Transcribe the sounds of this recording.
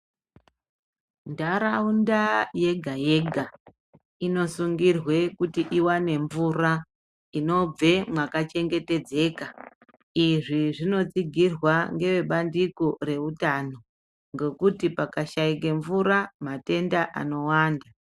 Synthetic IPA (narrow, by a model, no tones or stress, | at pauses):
ndaɾaundaje̞ɡʱaje̞ɡʱa | ino̞suŋɡirwe̞kutiʔiwane̞ɱvura | ino̞b͡ve̞mwakat͡ʃe̞ŋɡe̞te̞d͡ze̞ːka | iʐiʐino̞t͡siɡʱirwaŋɡe̞ʋe̞ɓandikore̞utano̞ | ŋɡe̞kutipakaʃaik̬e̞ɱvuɾamate̞ndaʔa̰no̞waːnda